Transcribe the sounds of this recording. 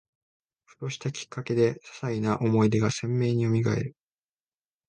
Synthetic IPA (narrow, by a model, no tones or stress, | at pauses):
ɸɯ̟̥t̪o̞ɕi̥t̪akʲi̥kːake̞d̪e̞sḁsainaʔo̞mo̞id̪e̞ɡasẽ̞mːe̞ːɲ̟io̞mʲiɡae̞̰ɾɯ̟